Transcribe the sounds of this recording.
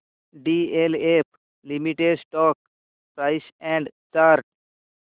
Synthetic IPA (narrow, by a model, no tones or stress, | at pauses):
ɖielepʰ | limiʈeɖsʈɔːk | pɾaɪsɛ̃ɳɖt͡ʃaɾʈ̚